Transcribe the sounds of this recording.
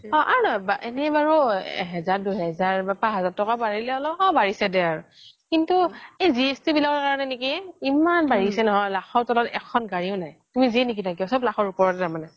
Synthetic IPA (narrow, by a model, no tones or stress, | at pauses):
ɔ̃ʔa̰ɹunajbaʔenɛbaɹɔɦɛzaɹduɦɛzaɹbɛpaɦɛzaɹtɔkabaɹilɛɔlɔɔ̃baɹisɛdɛaɹu | kintuejziestibilakɔɹkaɹɔnɛnekiimanbaɹisɛnɔɦɔjlaxɔɹtɔlɔtɛ̰kʰɔnɡaɹiʊnajtumiziɛnek̬itʰak̬isɔblakɔɹupɔɹɔtɛzamanɛ